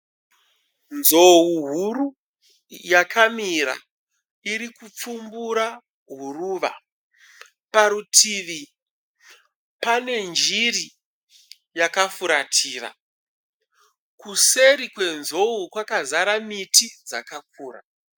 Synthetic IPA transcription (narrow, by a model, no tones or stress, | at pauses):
nzowuɦuru | jakʰamiɾa̰ | iɾikup͡fumbuɾa | ɦuruːʋa̰ | paɾutʰiːʋi | pane̞nd͡ʒiri | jakafuɾatʰiːra̰ | kuse̞ɾikwe̞nzo̞ukwakazaɾamitʰid͡za̰kakuːra̰